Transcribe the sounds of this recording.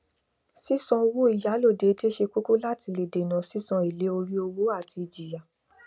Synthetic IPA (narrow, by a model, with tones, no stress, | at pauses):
si˦saɔ̃˧o˧wo˦i˦˨ja˨˦lo˦˨de˨˦de˦ʃe˧ko˦ko˦la˦ti˧le˨de˨nã˨si˦sɔ̃˧e˨le˨˦o˧ɾi˦o˧wo˦a˦˨ti˧˨d͡ʒi˨ja˨